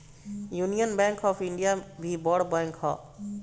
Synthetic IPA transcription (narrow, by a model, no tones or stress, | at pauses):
junijənbɛ̃ŋkʰɔːpʰiɳɖijabʱibɔɽbaŋkʰɦɔ̰ː